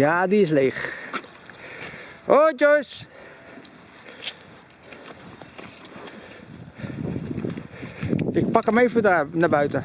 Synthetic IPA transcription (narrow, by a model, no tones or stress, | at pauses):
jaːdiɪs̬leːx | ʔoːd͡ʒos | ɪk̚pɑkəmefutanabœɥtə